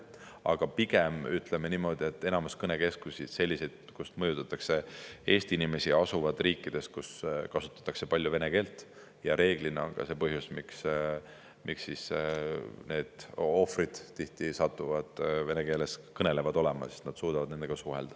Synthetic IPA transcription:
ɑ̰ɡ̥ɑpiɡ̥e̞myt̪ˑlemeniːmo̞d̪̥ie̞t̪ːe̞nɑmuskɤne̞ke̞skusi̥se̞lʲːisejd̪̥̚kust̪mɤjut̪ːˑɑt̪ːˑɑkse̞e̞ːst̪iinime̞siɑsuvɑd̪̥riːkːˑid̪̥e̞st̪̚kuskɑsu̥t̪ːˑɑ̥t̪ːˑɑkse̞pɑlʲjuve̞ne̞ke̞ːlt̪ːˑ | jɑɾe̞ːɡ̥lineo̰nɡ̥ɑ̰se̞pɤɦjusmiks | mʔiksːis | ne̞ːd̪̥o̞frid̪̥t̪ːiht̪isɑt̪ˑːuvɑd̪̥ve̞neke̞ːleskɤne̞le̞vɑd̪̥o̞le̞mɑ̰si̥st̪nɑd̪̥suːd̪̥ɑvɑd̪ne̞nd̪eɡ̥ɑsuɦḛld̪̥ɑ̥

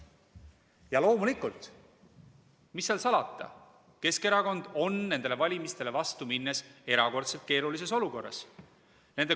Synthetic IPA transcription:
jɑlo̞ːmulikˑːult̪ | misːeɑlsɑlɑt̪ˑːɑ̰ | ke̞ske̞ɾɑko̞nd̪̥o̞nːe̞nd̪̥e̞le̞vɑlʲimist̪e̞le̞vɑst̪uminːese̞ɾɑko̞rt̪se̞lt̪̚ke̞ːɾulis̬e̞so̞luko̞rːɑ̰s | nen̥e

